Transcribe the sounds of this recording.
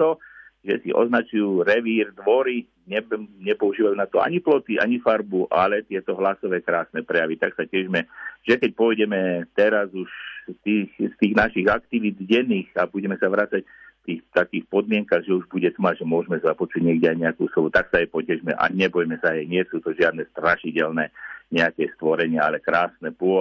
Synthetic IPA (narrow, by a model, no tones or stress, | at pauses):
t̪ɔʒɛsḭʔɔ̰znat͡ʃujuːɾɛʋiːɾd̪ʋɔɾi | ɲɛɲɛpɔuʒiːʋajuːnat̪ɔa̰ɲiplɔt̪iʔa̰ɲifaɾbuʔalɛt̪ɪɛt̪ɔɦlasɔʋɛːkɾaːsnɛpɾɛjaʋit̪aksacɛʒmɛʒɛkɛc̚pɔjɟɛmɛt̪ɛɾazuʃt̪iːxst̪iːɣnaʃiɣakt̪iʋid̪ɟɛniːxabuɟɛmɛsaʋɾat͡sac | ft̪iːxt̪akiːxpɔd̪mɪɛŋkaɣʒɛuʒbuɟɛt̪ɔmaʒɛmʊɔʒmɛzapɔt͡ʃuːɟɲɪɛɡɟɛajɲɛakṵːslɔʋut̪aksaɛjpɔcɛʒmɛ̰ʔa̰ɲɛbɔjmɛsaɦɛɲɪɛsuːt̪ɔʒɪad̪nɛst̪ɾaʃicɛlnɛɲɛakɛːst̪ʋɔɾɛɲɪaalɛkɾaːsnɛpʊɔ